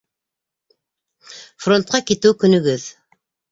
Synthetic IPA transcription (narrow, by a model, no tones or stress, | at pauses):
front̪̚qɑkit̪ɘwkɵ̆nɵ̆ɡɵð